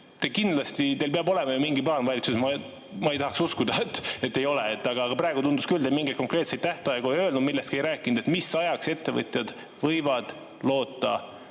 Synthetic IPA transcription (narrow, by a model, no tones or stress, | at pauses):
t̪ekind̪lɑst̪it̪e̞lpeɑbo̞le̞mɑjomiŋɡipɑːnvɑjlit̪susmɑ | mɑejt̪ɑhɑksuskud̪ɑet̪ːet̪ːe̞jo̞leet̪ːɑɡ̥ɑːɡ̥ɑpɾæːeɡut̪und̪uskyld̪emiŋɡet̪̚ko̞ŋkre̞ːt̪sejt̪t̪æht̪ɑjɑɡojø̞ːlnud̪milːe̞st̪kiejɾæːkːˑind̪̥et̪misɑjɑkse̞t̪ːe̞vɤ̰t̪ˑjɑd̪̥ | vɤjvɑd̪̥ | lo̞ːt̪ːɑ